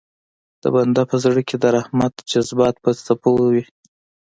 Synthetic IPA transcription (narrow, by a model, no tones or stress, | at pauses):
d̪̥ə̰band̪apəzɽəkʰʲed̪əɾahmat̪d͡ʒazbɑt̪̚pət͡sapowwi